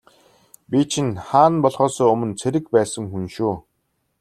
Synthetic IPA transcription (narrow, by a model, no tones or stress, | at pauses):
pʲit͡ɕʰĭnχaːnpɔɮʁɔːsɔːɵmɵ̆nt͡sʰeɾɘ̆kpæːsə̆ŋxunʃuː